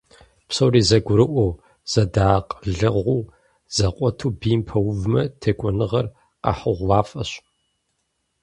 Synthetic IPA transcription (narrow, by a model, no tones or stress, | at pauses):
psɐwriːzɐɡʷʊɾɨʔʷɔw | z̥ɐdaːqʼɮɨʁʷuː | z̥ɐqʷʼɔtʰuːbiːmpʰɐwʊvmɐtʰeːkʷʼɔnɨʁɐr | qa̰ħəʁʷwaːfʼɐɕ